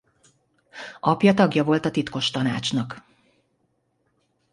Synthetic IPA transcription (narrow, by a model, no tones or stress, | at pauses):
ʔɒpjɒt̪ɒɡjɒvo̞lt̪ɒt̪it̪ko̞ʃt̪ɒnaːt͡ʃnɒk